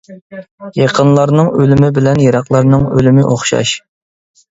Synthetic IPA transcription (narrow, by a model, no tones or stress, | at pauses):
jɑqʰənlˠɑɾnɨŋølymɪbɪlɛnjɑɾɑqlˠɑɾnɨŋølymɪʔoχʃɑ̰ʃ